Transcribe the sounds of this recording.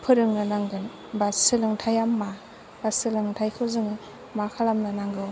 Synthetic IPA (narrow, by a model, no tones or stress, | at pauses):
pʰɯɾɯŋnɯnaŋɡɯn | basɯlɯŋtʰajamːa | b̥asɯlɯŋtʰajkʰɯzɯŋɯ | makʰalamnɯnaŋɡɯw